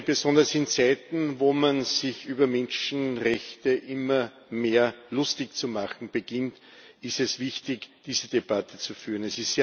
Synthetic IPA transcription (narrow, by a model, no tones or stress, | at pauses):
b̥əzɔ̃ndɐsɪnt͡sæɪtn̩voːmanzɪçyːbɐmɛnʃn̩ʁɛçtəʔɪmɐ | meːɐlʊstɪçt͡sumaχn̩b̥əɡ̥ɪnt | ɪstɛsvɪçtɪçd̥iːzəd̥ebatət͡sufyːɐnɛsɪsteː